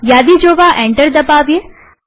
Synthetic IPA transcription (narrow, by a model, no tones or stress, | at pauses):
jaːd̪id͡ʒoːʋaʔẽːɳʈəɾd̪ɐpaːbje